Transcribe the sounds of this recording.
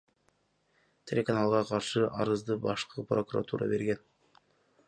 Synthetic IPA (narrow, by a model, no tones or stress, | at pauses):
t̪ʲʰe̞lʲekanalˠʁɑqʰɑɾʃɯʔɑ̰ɾɯzd̪ɯbɑʃqɤprokuɾa̰t̪ʰuɾɑ̰be̞ɾɡʲen